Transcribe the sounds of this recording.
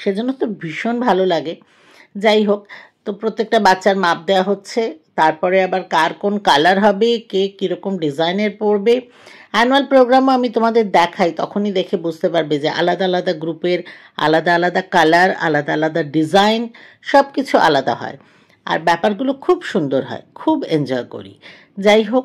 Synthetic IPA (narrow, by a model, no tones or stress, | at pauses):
ʃed͡ʑonːot̪obʱiʃonbʱalolaɡe | d͡ʑajɦokt̪opɾot̪ːek̚ʈabatːɕaɾmap̚d̪eaɦotːɕʰet̪aɾpɔɾeabaɾkaɾkonkalaɾɦɔbekekiɾɔkomɖid͡ʑajneɾpoɾbe | anualpɾoɡɾamoamit̪omad̪eɾd̪ɛkʰajt̪ɔ̰kʰonid̪ekʰebud͡ʑʱt̪epaɾbed͡ʑeʔa̰lad̪aalad̪aɡɾupeɾ | a̰lad̪aalad̪akalaɾa̰lad̪aalad̪aɖid͡ʑajn | ʃɔb̚kit͡ɕʰuʔa̰lad̪a̰ɦɔ̰e | a̰ɾbɛpaɾɡulokʰubʃund̪oɾɦɔ̰ekʰubend͡ʑɔeko̰ɾḭ | d͡ʑajɦok